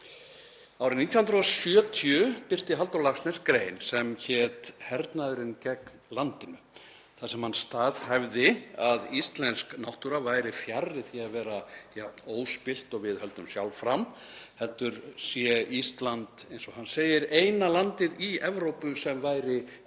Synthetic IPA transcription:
awɾɪnit̪jahʏnɾɔsjœːt̪ʰjʏpɪr̥t̪ɪɦalt̪awlafst̪nɛskɾeːjnsɛmçɛt̪hɛɾt̪naðʏɾɪncɛknlant̪ɪnʏ | θasɛmhanst̪aːðhavðɪaðist̪lɛnsknawht̪uɾavaːjɾɪfjarːɪθiaðvɛːɾajaoːwspɪl̥t̪ɔɣvɪðhœlt̪ʏmsjawlfɾam | hɛlt̪ʏɾsjɛist̪lant̪ejnsɔhanːseːjɪɾejnalant̪ɪðiɛvɾowpʏsɛmvajɾɪ

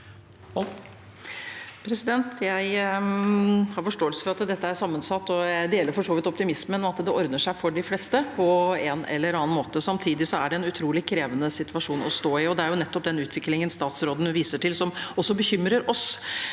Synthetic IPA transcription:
pʰɾɛsɪd̪ɛnt̪jæɪ | hɑɾfɔʂʈoːəlsə̥fɔɾɑt̪d̪ɛt̪ːəæɾsɑmːənsɑt̪ːɔjæɪd̪eːɛləɾfɔʂoːʋɪt̪ɔpt̪ɪmɪsmənɔɑt̪d̪ɛʔɔɾd̪nəʂæɪfɔɖɪflɛst̪əpʰɔɛnɛ̰lːəɾɑːɑnmoːt̪əsɑmt̪ʰiːd̪ɪsɔæɖɛɛnʉt̪ʰɾuːlɪkʰːɾeːʋənəsɪt̪ʋɑʂuːnɔst̪oːɪɔd̪ɛæɾjʊnɛt̪ːɔp̚d̪ɛnʉːt̪ʰʋɪklɪŋənst̪ɑːt̪sɾoːd̪n̩ʋiːsəʈʰɪlsɔmɔsːɔbəçʏmɾəɾɔs

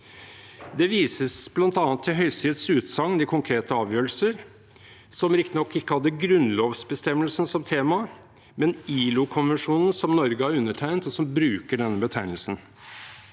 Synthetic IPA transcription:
d̪ɛʋiːsəsb̥lɑnt̪ɑːnət̪ʰːɪlɦœʏsiːd̪sʉːt̪sɑŋːnɪkʰʊŋkʰɾeːt̪əɑːʋjøːɾəl̩səɾ | sɔmɾɪkt̪ɪnɔkːɪkːəhɑd̪ːəɡɾʉnloːʋsbəst̪ɛmːəlsn̩sɔmt̪ʰeːmɑ | mɛniːlʊkʰʊnʋɛnʂuːnn̩sɔmnɔɾɡəhɑɾʉnːəʈʰæɪnt̪ɔsɔmbɾʉːkəɖɛnːəbət̪ʰæɪnlsn̩

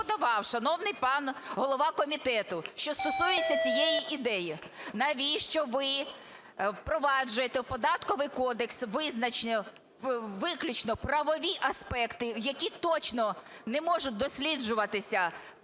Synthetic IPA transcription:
d̪ɐʋɑwʃɐnɔwnɪjpɑnɦɔlˠɔʋɑkɔmʲit̪ɛt̪ʊʃt͡ʃɔst̪ɔsujet͡sʲːɐt͡sʲijejiʔid̪ɛjinɐʋʲiʃt͡ʃɔʋɪ | wpɾɔʋɑd͡ʒʊjet̪ɛwpɔd̪ɑt̪kɔʋɪjkɔd̪eksʋɪznɐt͡ʃnʲɛ | ʋɪklʲʊt͡ʃnɔprɐʋɔʋʲiʔɐspɛkt̪ɪjɐkʲit̪ɔt͡ʃnɔnɛmɔʒʊt̪̚ʲd̪ɔsʲlʲid͡ʒʊʋɐt̪ɪsʲɐ

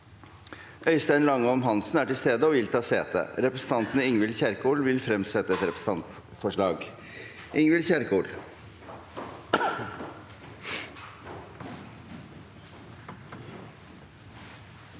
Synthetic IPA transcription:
ʔœʏst̪æɪnlɑŋːəɔmɦɑnsn̩æːʈɪlst̪eːd̪əɔʋɪlt̪ʰɑːseːt̪ə̰ɾɛpɾəsn̩t̪ʰɑnt̪nəɪŋʋɪlçæɾkuːɭʋɪlfɾɛmsɛt̪ːəɛt̪ɾɛpɾəs̩ɑnt̪ | fɔʂɭɑːɡ | ʔɪŋʋɪlçæɾkʰuːɭ

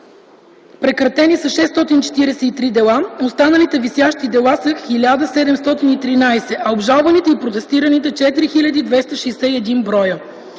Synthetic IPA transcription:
pɾɛkɾɐt̪ɛnisɐʃɛst̪ɔt̪int͡ʃɛ̥t̪iɾɛsɛit̪ɾid̪ɛlˠaost̪anɐlit̪ɛvisjaʃt̪id̪ɛlˠasəxilʲad̪əsɛd̪ɛmst̪ɔt̪init̪ɾinajsɛʔɐobʒalˠvɐnit̪ɛipɾot̪ɛst̪iɾɐnit̪ɛt͡ʃɛt̪iɾixilʲɐd̪id̪vɛst̪əʃɛsɛiɛd̪inbɾɔjə

